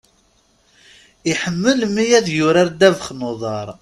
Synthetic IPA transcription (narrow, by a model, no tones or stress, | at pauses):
iħəmːəlmijæðjʊɾaɾd̪ævəχnoðˤɑɾˤ